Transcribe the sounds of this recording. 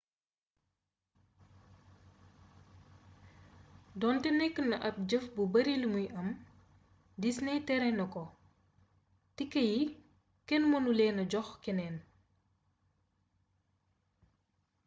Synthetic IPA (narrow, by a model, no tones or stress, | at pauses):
dɔntɛnɛkːənɐʔɐp̚ɟəfbubɐɾilmujʔɐm | disnɛtɛɾɛnɐkɔ | tikːɐji | kɛnmɔnulɛːnɐɟɔxkɛnɛːn